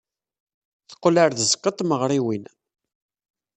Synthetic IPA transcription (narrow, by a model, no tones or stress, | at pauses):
θə̥qːlaɾðəzəkːət̪ˤməʁɾˤiwin